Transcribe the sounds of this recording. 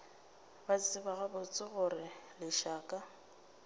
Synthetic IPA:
bat͡st͡sʼɪbaɣabʊt͡sʼɪɣʊrɪlɪʃaːkʼa

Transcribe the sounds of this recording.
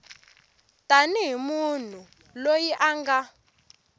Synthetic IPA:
tʼaniɦimun̤u | lojiʔaŋɡa

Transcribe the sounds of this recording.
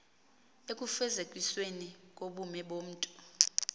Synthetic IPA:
ek̬ʼufɛzekʼwiswenik̬ʼoɓumɛɓom̩ːtʼu̥

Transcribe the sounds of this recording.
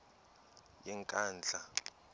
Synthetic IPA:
jɛŋkʼaːnd͡ɮʱa

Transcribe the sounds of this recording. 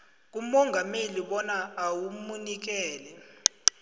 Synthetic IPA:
k̬ʼumɔŋɡʱameliɓɔnaːwumunik̬ɛːlɛ

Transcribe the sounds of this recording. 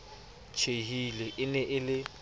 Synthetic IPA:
t͡ʃʰeɦileʔɪnɛʔɪlɪ

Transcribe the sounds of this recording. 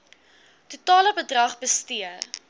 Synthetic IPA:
tutɑːləbədrɐχbəstiər

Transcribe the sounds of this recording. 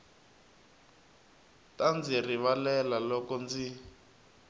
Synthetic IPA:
tand͡ziriβalɛlalɔkɔnd͡zi

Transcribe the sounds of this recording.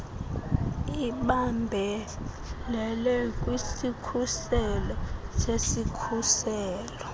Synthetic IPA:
iɓambʱɛ | lɛlɛk̬ʼwisikʰusɛlɔsesikʰusɛːlɔ

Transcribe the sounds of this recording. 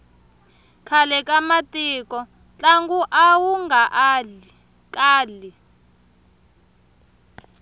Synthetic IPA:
kʰalɛkʼamatʼiːkɔ | t͡ɬʼaŋɡuʔawuŋɡaʔ | kaːli

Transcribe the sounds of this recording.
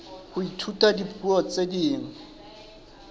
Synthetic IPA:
hʊitʰutʼadipʰuɔt͡sʼediːŋ̩

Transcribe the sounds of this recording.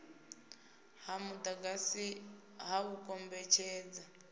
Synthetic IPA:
hamutaɡasi | haβukombet͡ʃeːd͡za

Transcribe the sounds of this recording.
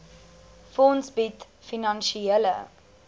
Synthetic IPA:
fɔnsbit | finɐnʃielə̰

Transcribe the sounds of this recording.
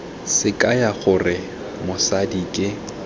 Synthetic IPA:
sɪkʼajaχʊrɪ | mʊsadikʼɪ

